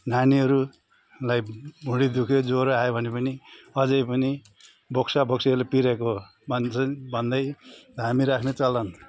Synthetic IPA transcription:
naniʌɾu | lajbʱuɽid̪ukʰed͡zoɾoajobʱʌnepʌniʌd͡zʌjpʌni | bʱoksabʱoksiʌɾulapiɾeko | bʱʌnt͡sʌbʱʌnd̪ʌjɦamiɾakʰnet͡sʌlʌn

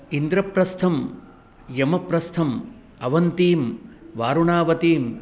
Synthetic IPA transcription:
ind̪ɾɐpɾɐst̪ʰɐm | jɐmɐpɾɐst̪ʰɐm | ɐʋɐnt̪iːmʋaːɾuɳaːʋɐt̪iːm

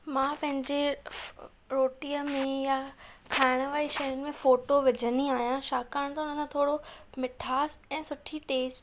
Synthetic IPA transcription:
mãːpɐ̃ɦɪ̃ɲd͡ʑe | ɾoːʈiːəmẽjakʰaːɪɽ̃ə̆ʋaːiʃɐjʊnɪ̆mẽfoːʈoʋɪd͡ʑʱəniaːɦijãʃaːkaːɽ̃t̪ɐʊnəkʰãt̪ʰoːɽomɪʈʰaːsɛ̃ːsʊʈʰiʈeːsʈ

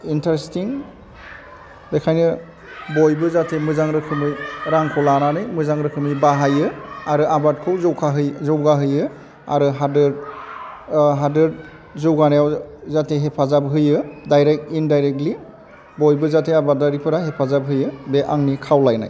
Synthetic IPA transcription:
intɾestiŋ | bekʰajnɯ | bɔjbɯzatʰemɯzaŋɾɯkʰɯmɯjɾaŋkʰɔlananɯjmɯzaŋɾɯkʰɯmɯjbaɦajɯaɾɯʔabatkʰɯwzɔwkʰaɦɯjzɔwɡaɦɯjɯ | a̰ɾɯɦadɯ | ɦadɯd | zɔwɡanajawzatʰeɦepʰazabɦɯjɯdajɾek̚tindajɾek̚tli | bɔjbɯzatʰeabadaɾipʰɯɾaɦepʰazab̚ɦɯjɯbeʔaŋnikʰawlajna̰j

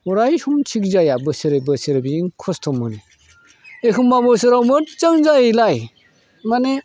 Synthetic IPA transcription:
ɔɾajhumt͡ʃʰik̚zajabɯseɾebɯseɾbiiŋkʰɔstʰɔmːɯni | ekʰɯmːabɔs̬ɯɾawmɯt̚t͡ʃaŋzajlaj | mane

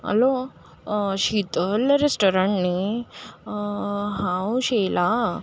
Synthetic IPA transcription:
ə̰lo | ɕit̪əlɾesʈoɾaɳni | ɦãwɕela

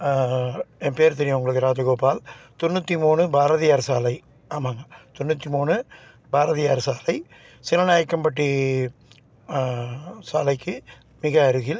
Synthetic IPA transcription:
ɛnpeːɾt̪ɛɾɪjɐ̃ʊŋɡɐɭɯkːɯɾaːd͡ʒɐɣoːpaːlt̪ɔnːɯt̪ːimuːɳɯbaːɾɐðɪjaːɾsaːlɐɪ | aːmaːŋɡɐt̪ɔnːɯt̪ːimuːɳɯ | baːɾɐðɪjaːɾsaːlɐɪ | sɪlɐnaːjɐkːɐmpɐʈːi | saːlɐɪkːɯ | mɪɣɐːɾɯɣɪl

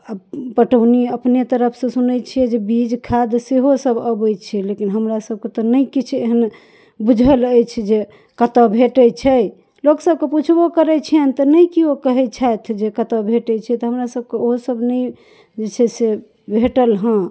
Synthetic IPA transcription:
əpəʈəniəpnet̪əɾəpʰsẽsunəjt͡ʃʰijɛd͡ʒebid͡ʒkʰad̪seɦosəbəbəjt͡ʃʰilekinɦəmɾasəb̚ʱket̪ɔnəjkit͡ʃʰeɦən | bud͡ʒʱələjt͡ʃʰid͡ʒe | kət̪əbʱeʈət͡ʃʰɛj | loksəb̚keput͡ʃʰbokəɾɛt͡ʃʰiənt̪ɔnəjkiokəɦɛt͡ʃʰat̪ʰd͡ʒekət̪əbʱeʈɛt͡ʃʰɛt̪ɔɦəmɾasəb̚keoɦosəbʱnəj | d͡ʒet͡ʃʰɛse | bʱeʈəlɦə̃

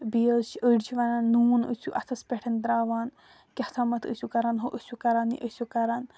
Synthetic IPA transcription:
bijət͡ʃəɖt͡ʃʰiʋananːuːnə̰suʔɐt̪ʰɐspʲeʈʰɐnd̪ɾaːʋaːn | kʲɐt̪ʰamɐt̪ʰə̰sʲukɐɾaːnɦoʔəsʲukɐɾaːnḭʔəsukɐɾaːn

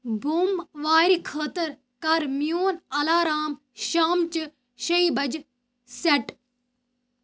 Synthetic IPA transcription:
bʱuːmʋaːɾikʰəːt̪ɐɾ | kɐɾmijoːnɐlaːɾaːm | ʃaːmt͡ʃɨ | ɕɐibɐd͡ʒ | sɐʈ

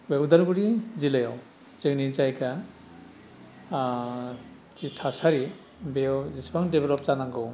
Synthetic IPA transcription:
weɡd̪aɾɡuɾizilajaw | zeknizajka | t͡ʃitʰasaɾi | beɔzisbaŋdebelɔpt͡ʃanaŋɡɯw

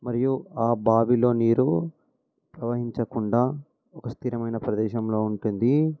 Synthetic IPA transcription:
mɐɾijuaːbaːbilo̞ːniːɾu | pɾɐʋɐɦiɲt͡ʃɐkuɳɖaː | ɔkɐst̪ʰiːɾɐmɐjnɐpɾɐd̪ɛːʃɐmlo̞ːuɳʈund̪i

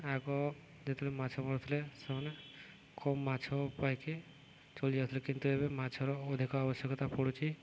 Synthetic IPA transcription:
ɛɡɔ | d͡ʒet̪ʰulemat͡ʃʰɔmɔɽt̪ʰilesemɔne | kɔmːat͡ʃʰɔpajke | t͡ʃolijat̪ʰilekint̪uebemat͡ʃʰɔɾɔːd̪ʱikɔabɔsjəkɔt̪apɔɽut͡ʃʰi

